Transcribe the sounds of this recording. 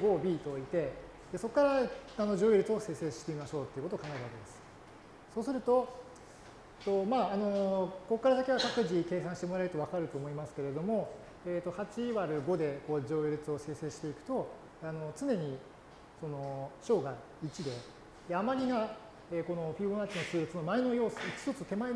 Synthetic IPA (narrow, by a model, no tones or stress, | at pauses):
ɡo̞ːbʲiːt̪o̞it̪e̞ | d̪e̞so̞kːaɾaano̞ʑo̞ːiɾɯ̟t͡sɨo̞se̞ːse̞ːɕi̥t̪e̞imaɕo̞ːt̪ːe̞iɯ̟kotokaŋɡaeɾɯβaked̪e̞sɨ̥ | so̞ːsɨɾɯ̟t̪o̞ | t̪o̞maːno̞ko̞kːaɾasakʲiβakakɯ̟ʑike̞ːsãɰ̃ɕi̥t̪emo̞ɾaeɾɯ̟t̪o̞β̞akaɾɯ̟t̪o̞ːmo̞imasɨ̥ke̞ɾe̞d̪o̞mo̞ | eːt̪o̞hat͡ɕiβaɾɯ̟ɡo̞d̪e̞ko̞ːd͡ʑo̞ːjiɾʲɯt͡sɨo̞se̞ːse̞ːɕi̥t̪e̞ikɯ̟̥t̪o̞ | ano̞t͡sɨne̞ɲ̟i | so̞no̞ɕo̞ːɡa | it͡ɕid̪e̞ | amaɾʲiɡa | eːko̞no̞ɸʲiõnat͡ɕinot͡sɨːɾʲɯt͡sɨno̞maeno̞jo̞ːsoit͡ɕi̥sot͡sɨt̪e̞mae